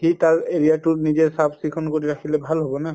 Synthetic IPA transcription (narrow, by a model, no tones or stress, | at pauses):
xitaɹeɹiatʊnizɛɹsabsikʰɔnkoɹiɹakʰilɛbʱalɦobɔna